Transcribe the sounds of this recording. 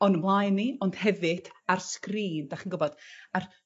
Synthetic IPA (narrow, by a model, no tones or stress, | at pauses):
ɔnəmlˠajnːiɔnd̥hɛvɨd̥arskriːndaχinɡʊbɔd̥ar